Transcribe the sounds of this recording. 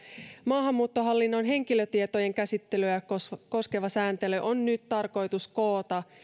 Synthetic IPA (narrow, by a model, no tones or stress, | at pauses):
mɑːɦɑmːuːt̪ːo̞ɦɑlːinːonɦe̞ŋkiløt̪iet̪ojeŋkæsit̪ːelyæko̞ske̞ʋɑsæːnt̪eløʔonːyt̪t̪ɑrko̞jt̪usko̞ːt̪ɑ